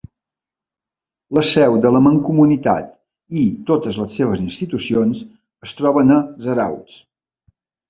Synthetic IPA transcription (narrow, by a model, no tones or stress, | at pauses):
ləsɛwd̪ələməŋkumunit̪a̰t̪̚ | it̪ot̪əzləsːeβ̞əzinst̪it̪usions | əst̪ɾɔβənəzəɾa̰wt͡s